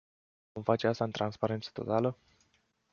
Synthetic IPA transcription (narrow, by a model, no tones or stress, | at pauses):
vomfat͡ʃe̞ast̪aɨnt̪ɾanspaɾe̞nt̪sə̥t̪o̞̰t̪alə